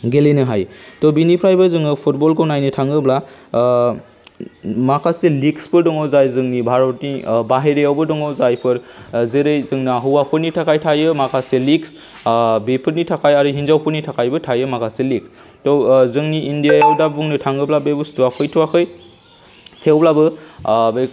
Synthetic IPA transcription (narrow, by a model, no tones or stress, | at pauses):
ɡelenɯɦajtɔbinipʰɾajbɯzɯŋɯpʰut̚bɔlkɯnajnitʰaŋɡɯbla | makʰaseliksbɯdɔŋɔwzajzɯŋnibʱaɾɔt̚nibaɦeɾejawbɯdɔŋɔzajpʰɯɾ | zeɾɯjzɯŋniaɦuwapʰɯɾnitʰakʰajtʰajɯmakʰaseliks | bepʰɯɾnitʰakajaɾuɦinzawpʰɯɾnitʰakʰajbɯtʰajɯmakʰaseliks | tɔzɯŋniːndijajawdabuŋnitʰaŋɡɯblabebɯstuwapʰɯjtʰuwakʰɯj | kʰewblabɯbe